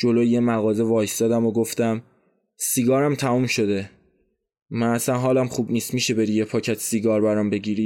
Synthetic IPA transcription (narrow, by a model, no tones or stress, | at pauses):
d͡ʒo̞lojjemæɣɒːze̞vɒːjst̪ɒːd̪æmoɡoft̪æm | siɡɒːɾæmt̪ʰæmuːmʃo̞d̪e̞ | mænæsænɦɒːlæmχuːbniːst̪miːʃe̞be̞ɾijepʰɒːcʰæt̪ʰsiɡɒːɾbæɾɒmbe̞ɟiːɾi